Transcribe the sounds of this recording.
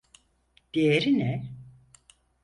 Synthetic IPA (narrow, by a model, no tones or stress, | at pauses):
d̪̥ejeɾinɛ